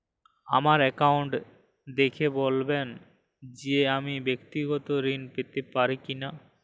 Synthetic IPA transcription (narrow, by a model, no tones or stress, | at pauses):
a̰maɾɛkawɳʈ | d̪ekʰebolben | d͡ʑeamibekt̪iɡɔt̪oɾinpet̪epaɾikina